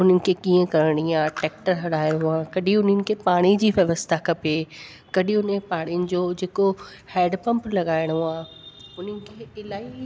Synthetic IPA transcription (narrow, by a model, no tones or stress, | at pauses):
ʊnənɪ̆kʰekiːə̃kɐɾəɽ̃iaːʈɛːk̚ʈəɾɦɐɽaːɪjjoaːkɐɗɪ̃ʊnənɪ̆kʰepaːɽ̃id͡ʑiːʋjɐʋəst̪ʰakɐpe | kɐɗɪ̃ʊnə̃paːɽ̃ijʊnɪ̆d͡ʑoːd͡ʑeːko | hɛːɖpɐ̃mplɐɠaːɪɽ̃oaːʊn̤ənɪ̆kʰeːɪlaːi